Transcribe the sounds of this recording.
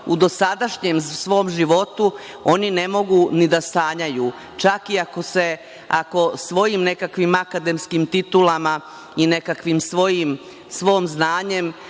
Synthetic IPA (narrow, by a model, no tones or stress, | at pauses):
ud̪o̞sad̪aʃɲemsʋo̞ːmʒiʋo̞t̪u | o̞nine̞mo̞ɡunid̪ast̪aːɲajuː | t͡ʃakiako̞se̞ | ako̞sʋo̞jimne̞kakʋimakad̪emskimt̪it̪ulama | ine̞kakʋimsʋo̞jim | sʋo̞ːmznaːɲe̞m